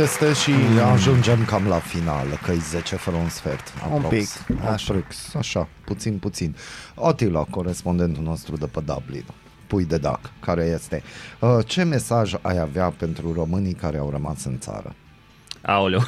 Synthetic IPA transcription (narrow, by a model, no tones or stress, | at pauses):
jest̪eʃiaʒund͡ʒe̞mkamlafina̰lkəjzet͡ʃefəɾəunsfḛrt̪a̰puɾopiaɾiksaʃaput̪sinput̪sinot̪ilako̞ɾe̞spo̞nd̪e̞nt̪uno̞st̪ɾud̪upəd̪a̰blḭn | pujd̪e̞d̪a̰kkːaɾe̞je̞st̪e̞ət͡ʃe̞me̞saʒa̰javeape̞nt̪ɾuro̞mɨnikaɾeawɾəma̰sɨnt̪sa̰ɾə̰ | awlu